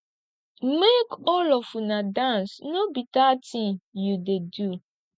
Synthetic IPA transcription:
mekɔlɔfunadãnsnobitatĩŋjudedu

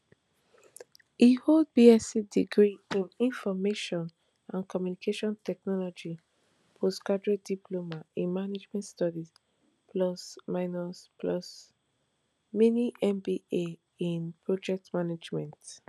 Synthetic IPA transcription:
ihold̚biɛsidiɡɹiĩnĩnfɔmeʃɔ̃n | ãnkʰɔmjunikʰeʃɔ̃ntʰɛk̚nɔlɔd͡ʒi | pʰoskadɹodipʰlomaĩnmaned͡ʒmɛ̃ntstɔdis | pʰlɔsmaɪnɔsplɔs | miniʔɛ̃mbie | ĩnpʰɹɔd͡ʒɛk̚tmanad͡ʒmɛ̃nt

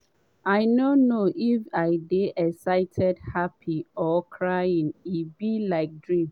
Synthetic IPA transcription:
aɪnonoʔifaɪdeʔɛsaɪtʰɛdhapʰiɔkʰɹajĩnibilaɪk̚dɹĩm

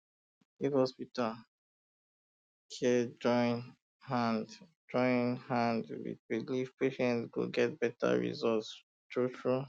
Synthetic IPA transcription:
ifhɔspital | kʰɛd͡ʒɔ̃n | hãnd | d͡ʒɔ̃ɪ̃nhãndwḭd̚biliv̥peʃɛ̃ntsɡo̰ɡɛt̚bɛta̰ɹḭzɔlts | tɹutɹu

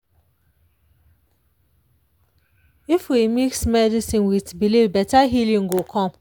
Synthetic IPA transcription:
ifwimiksmɛdisĩnwitbilivbɛtaɦilĩŋ̩ɡokʰɔ̃m

